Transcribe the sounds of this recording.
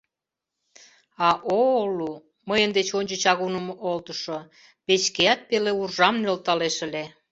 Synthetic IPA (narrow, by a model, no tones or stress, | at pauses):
ɑʔolu | məjənd̪et͡ɕonʲt͡ɕə̆t͡ɕɑɣunəmoʔolt̪əʃo | pet͡ɕkeæt̪̚peleurʒɑmnølt̪ɑleʃə̆le